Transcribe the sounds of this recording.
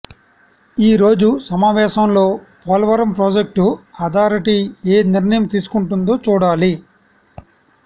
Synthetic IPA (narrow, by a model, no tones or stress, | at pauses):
iːɾo̞ːd͡ʒusɐmaːʋɛːʃɐmlo̞ːpɔːlɐʋɐɾɐmpɾoːd͡ʒek̚ʈuɐd̪ʱaːɾiʈieːniɾɳɐjɐmt̪iːsu̥kuɳʈund̪o̞ːt͡ʃuːɽaːli